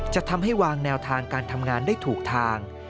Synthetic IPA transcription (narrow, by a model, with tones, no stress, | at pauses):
t͡ɕa˨˩t̪ʰa˧mɦa˥˩jwaː˧ŋnɛː˧wt̪ʰaː˧ŋkaː˧nt̪ʰa˧mŋaː˧ndaː˥˩jt̪ʰuː˨˩k̚t̪ʰaː˧ŋ